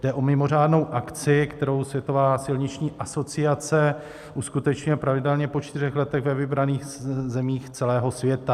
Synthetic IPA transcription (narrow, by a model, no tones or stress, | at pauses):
dɛʔomɪmo̞r̝aːdno̞wʔakt͡sɪkt̪ɛɾo̞wsvjɛt̪o̞vaːsɪlɲɪt͡ʃɲiːʔaso̞t͡sɪat͡sɛ | ʔuskut̪ɛt͡ʃɲɪɛpɾavɪdɛlɲɛpo̞t͡ʃt̪ɪrɛxlɛt̪ɛɣvɛvɪbɾaniːxzɛmiːxt͡sɛlɛːɦo̞svjɛt̪a